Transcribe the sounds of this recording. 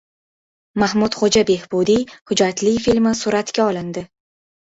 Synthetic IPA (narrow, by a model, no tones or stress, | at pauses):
mahmʊt̪χod͡ʒabe̞hbud̪ihʊd͡ʒat̪ʰlijfilmɪsʊɾat̪kʲaɒlˠɪnd̪ɪ